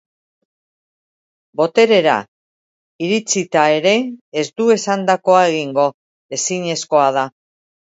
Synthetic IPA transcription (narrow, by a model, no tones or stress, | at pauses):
bo̞t̪e̞ɾe̞ɾa̰ | iɾit͡sit̪ae̞ɾe̞ːzd̪ue̞sand̪ako̞ae̞ɣ̞iŋɡo̞ | e̞siɲe̞sko̞að̞a